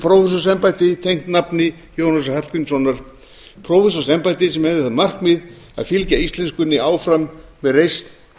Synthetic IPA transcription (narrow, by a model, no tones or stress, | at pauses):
pʰɾɔwfɛsɔsɛmpajt̪ɪt̪ʰejŋ̥t̪napnɪ | joːwnasahɛlpɪnsɔnːaɾ̥ | pʰɾɔwfɛs̬ɔ̥sɛmpajt̪ɪsɛmhɛðɪθamar̥kmɪð | a̰ðfɪlcaist̪lɛnskʏnːɪaːwfɾamːɛðrejst̪